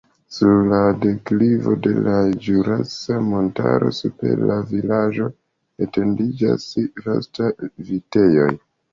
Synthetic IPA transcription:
suɾlade̞klivo̞̰de̞̰lad͡ʒuɾasamo̞ntaɾo̞̰supe̞̰ɾlavilad͡ʒo̞ | ete̞ndid͡ʒa̰sɾo̰stavite̞jo̞j

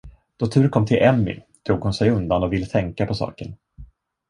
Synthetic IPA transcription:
d̪̥ɔt̪ʰʉ̟ːɾənkʰɔmːt̪ʰɪlʔɛmːɪ̰ | t̪ʰɾuːɡhʊnsɛjɵnd̪anɔvɪlːət̪ʰɛŋkapʰɔsɑ̰ːkəɳ

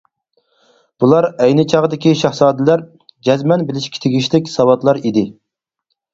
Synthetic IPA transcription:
b̥ulˠɑɾɛjnɪt͡ʃʰɑʁd̪ɪkʲiʃɑχsɑːd̪ɪlæɾ | d͡ʒɛzmɛnbɪlɪʃkʲiɪ̥t̪ʰɪɡʲiʃlɪkʲsɑwɑt̪lˠɑɾid̪ɪ

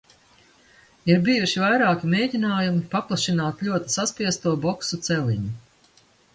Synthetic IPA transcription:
iɾbijuʃivajɾaːkʲimeːd̪ʲinaːjumipaplˠaʃinaːt̪lʲuɔt̪i̥saspiɛst̪uɔbɔksut̪sɛlḭɲu

